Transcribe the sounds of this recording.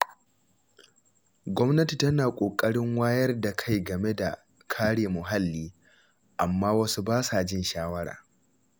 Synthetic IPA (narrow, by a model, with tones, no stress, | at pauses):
ɡʷɔ˦mnɐ˦ti˨tɐ˦naː˨kʷʼoː˨kʼɐ˦ɽɪ˦ŋwaː˦jɐ˦rda˨kʰa˦˨jɡɐ˨me˦da˨ | kʰaː˦ɽeː˨mʊ˨ɦa˦lːiː˦ | ʔa˨mːaː˦wɐ˦su˦baː˦saː˨d͡ʒɪ˦˨nʃaː˦wɐ˦ɽa̰ː˨